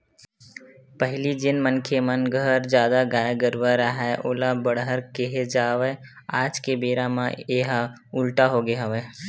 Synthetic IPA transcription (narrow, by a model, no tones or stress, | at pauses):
pəɦɪlid͡ʒɪnmənkʰemənɡʱəɾd͡ʒjaːd̪aɡaːjɡəɾʋəɾaɦɛʔoːlabəɽɦəɾkeɦed͡ʒaːʋɛ | aːd͡ʒkebeːɾamã̰eɦa | ʊlʈaɦoɡeɦaʋɛ